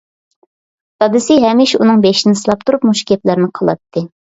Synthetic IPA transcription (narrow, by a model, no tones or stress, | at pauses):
sɑd̪ɨsɪɦɛmɪʃunɨŋbeʃnɪsɨlˠɑp̚t̪ʰuɾupmuʃkʲɛplæɾnɪqʰəlˠɑ̰t̪ʰːɨ